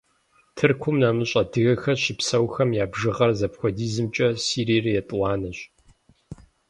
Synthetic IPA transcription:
tʰɨrkʷʰʊmnaːmɨɕʼɐdɨɣɐxɐɕɪpsɐwxɐmjaːbʒɨʁɐrzɐpxʷɔdiːzɨmt͡ʃʼɐsiːɾiːrɨjɛtʼwɑːnɐɕ

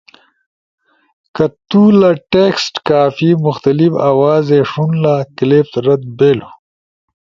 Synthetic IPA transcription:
kɐt̪ulaʈeksʈkaːfimʊxt̪ɐlifawaːzeʂunlaklept̪ɾɐd̪̚beːlu

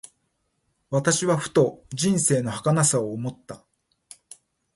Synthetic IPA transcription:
βat̪aɕiβaɸɯ̟̥t̪o̞ʑĩɰ̃se̞ːno̞hakanasaoːmo̞t̪ːa

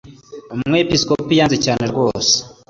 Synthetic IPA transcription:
ummŋwepiskopijaːnzecaːne̞ɾɡwo̞ːse̥

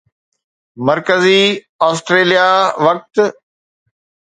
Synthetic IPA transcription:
mɐɾkəzi | aːsʈɾeːlijaʋɐk̚t̪

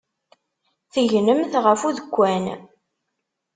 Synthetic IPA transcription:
θəʝnəmθʁəfuðəkʷːæn

